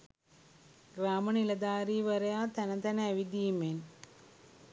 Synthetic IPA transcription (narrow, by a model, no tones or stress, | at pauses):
ɡɾaːmənilɐd̪aːɾiːʋəɾejaːt̪ænət̪ænəæʋid̪iːmen